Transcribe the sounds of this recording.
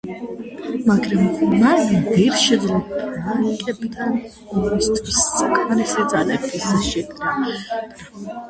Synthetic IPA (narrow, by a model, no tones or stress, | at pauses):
maɡɾamːaɾid̪iɾʃɛd̪zlubʰaaikʼɛbid̪an | mɔst̪ʰʼkʰisːakʰmɛɾisid̪zalɛkt̪isaʃɛk̪ɾa